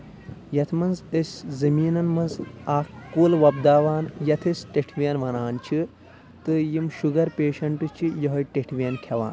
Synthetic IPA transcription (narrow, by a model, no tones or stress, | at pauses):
jɐt̪ʰmɐnzəsʲzɐmiːnɐnmɐnzaːkkːuːlʋɐbd̪aːʋaːnjɐt̪ʰisʈeʈʰʋiɐnʋɐnaːnt͡ʃʰi | t̪ɨjimʃuɡɐɾpeːʃɐɳʈɨt͡ʃʰijɐɦɐjʈeʈʰʋʲijɐnkʲʰɐʋa̰ːn